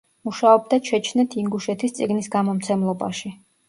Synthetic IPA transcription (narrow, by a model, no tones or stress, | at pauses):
muʃaɔb̚d̪at͡ʃʰɛt͡ʃʰnɛt̪ʰiŋɡuʃɛt̪ʰist̪sʼiɡnisɡamɔmt̪sʰɛmlˠɔba̰ʃi